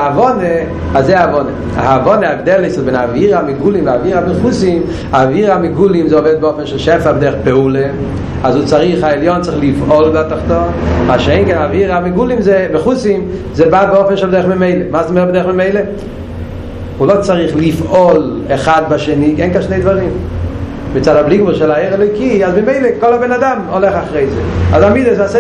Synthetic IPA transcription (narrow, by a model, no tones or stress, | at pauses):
aavɔne | azeɪaavɔnə | a̰avɔnəaɛvdɛlˠɪsɪbɪnaviːɾamɪɡulˠimvɪaviːɾamɛχusim | aviːɾamɪɡulˠimzɔveːt̚bɪɔfn̩ʃɪlʃɛfabdɛχpɛulˠə | azuːt͡saɾiχaɛlˠjɔnt͡sɪχlˠifɔlˠvɛtaχtɔmaːʃɛɪŋkenaviːɾamɪɡulˠɪmzeməχusim | zeːbaːt̚bɪɔfn̩ʃɛlˠbdɛɾχmɪmeɪləmasnɪmɛbdɛɾχməmeɪlə | uːlˠot͡saʁiχlifɔlˠɛχad̚baʃeniːɡɛnkanʃneɪdvaɾim | mɪt͡saːdablˠiɡmulʃɛlˠaheɪɾɛlˠɔɪkiazbɪmeɪləkɔlˠabenadamolɛχaχʁeɪzḛazamidəsas